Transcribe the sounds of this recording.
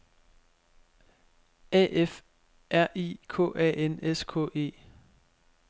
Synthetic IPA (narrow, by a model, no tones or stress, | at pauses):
ɛ̰ʔef | ʔæɐ̰ʔikʰɔ̰̽ːʔɛ̰ʔeneskʰɔ̰ːe̝̰ː